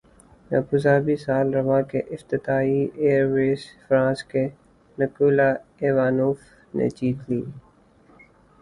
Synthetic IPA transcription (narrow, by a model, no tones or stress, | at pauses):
ja̰pʊzaːbisaːlɾɐʋakeʔɪft̪ɪt̪aːieːɾʋeːsfɾãːske | nəkuːlaeʋaːnoːf | nḛt͡ʃiːt̪liː